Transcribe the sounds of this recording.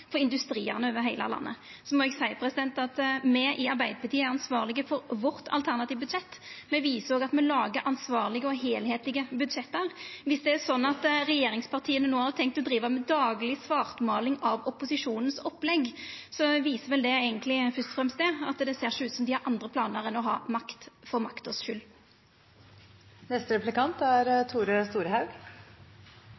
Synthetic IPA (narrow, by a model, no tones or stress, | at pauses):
fɔɾɪnd̪ʉst̪ɾiːə̰ʁnəøːʋəɾɦæɪlə̰lɑ̰nːə̰sɔmɔɛɡsæɪəpʰɾɛsɪd̪ɛnt̪ɑt̪mɛʔɪɑɾbæɪd̪əpʰɑʁt̪ʰiːəæɾɑnsʋɑːʁlɪɡəfɔɾʋɔɾt̪ʰɑ̰lt̪ʰæʁnɑt̪iːʋbʉd̪ʂɛt̪ːmɛʋiːsəɾɔːɡɑt̪mɛlɑːɡəɾɑnsʋɑːʁlɪɡəɔɦeːlheːt̪lɪɡəbʉd̪ʂɛt̪ːəɾʋɪsd̪ɛæsɔnːɑt̪ɾɛjeːɾɪŋspʰɑʁt̪ʰiːənənuːhɑdt̪ʰɛŋk̚t̪ːɔd̪ɾiːʋəmɛd̪ɑːɡlɪsʋɑːʁt̪mɑːlɪŋɑʋɔpʊsɪʂuːnn̩sɔpːlɛɡsɔʋiːsəʋɛld̪ɛeːɡənt̪lɪfʏst̪fʁɛmst̪eːɑt̪d̪ɛseːʁʂʉːt̪sɔmd̪ɪhæɾʔɑnd̪ɾəpʰlɑːnəɾɛnɔɦɑ̰ːmɑkt̪fɔɾmɑkt̪ɔsʃʏl | nɛst̪əɾɛplɪkɑnt̪æɾt̪ʰuːɾəst̪uːɾəhɑʉɡ